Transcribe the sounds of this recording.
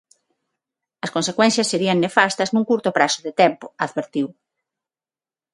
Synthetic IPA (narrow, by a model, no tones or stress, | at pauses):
ɐskonsekwɛ̃n̟θjɐsːeɾiɐŋnefast̪ɐznũŋkuɾt̪ʊpɾasʊðet̪ɛmpʊaðβeɾt̪iw